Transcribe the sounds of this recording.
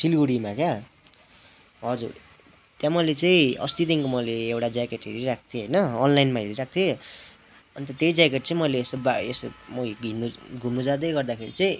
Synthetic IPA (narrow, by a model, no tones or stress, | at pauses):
silɡuɽimakja | ʌd͡zṵr | t̪jãmʌjlet͡sʌĩʌ̰st̪it̪iŋkomʌjleewʈad͡zajkeʈɦeɾiɾak̚ʰt̪ʰjoɦʌjnʌːnlajnmaɦiɾiɾak̚t̪ʰjo | ʌnit̪ʌt̪ejd͡zakeʈ̚t͡sʌ̃ĩmʌjleːst̪obaest̪omʌɡinuɡʱumud͡zad̪ʌjɡʌrd̪akʰeɾḭt͡sʌĩ